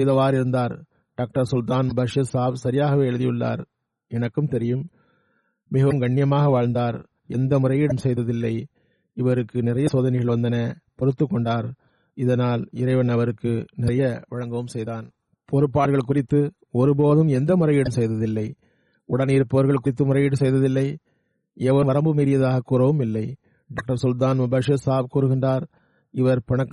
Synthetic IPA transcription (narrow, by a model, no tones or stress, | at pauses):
sɛjðɐʋaːɾɪɾɯnd̪aːɾ | ɖ̥aːk̚ʈɐɾsʊlt̪aːnbɐʂɐsaːʋsɐɾɪjaːɣɐʋeːɛɻɯðɪjɯɭːa̰ːɾ | ɛnɐkːɯmt̪ɛɾɪjɯm | mɪɣɐʋɐmɡɐɳːɪjɐmaːɣɐʋaːɻnd̪aːɾ | ɛ̰nd̪ɐmʊrɐjɪɽɐmsɛjðɐðɪlːɐɪ | ɪʋɐɾɯkːɯnɪrɐjɐsoːðɐnɐɪɣɐɭʋɐnd̪ɐnɐpɔɾɯt̪ːɯkːɔɳɖaːɾ | ɪðɐnaːlɪɾɐɪʋɐnɐʋɐɾɯkːɯnɪɾɐjɐʋɪɻɐŋɡɐʋɯmsɛjðaːn | pʰɔɾɯpːaːɾɣɐɭkʊrɪt̪ːɯ | ɔɾɯpoːðɯmɛnd̪ɐmʊrɐɪjɪɽɐmsɛjðɐðɪlːɐɪ | ʊɽɐniːɾpoːɾɣɐɭkʊɾɪt̪ːɯmʊrɐjɪɽɯmsɛjðɐðɪlːɐɪ | ɛʋɐʋɐɾɐmbɯmiːɾɪjɐðaːɣɐkːuːɾɐʋɯmɪlːɐɪ | ɖaːk̚ʈɐɾsʊlt̪̬aːnmʊbɐːʂɯsaːʋkuːɾɯɣɪɳdraːɾ | ɪʋɐɾpɪɳɐkː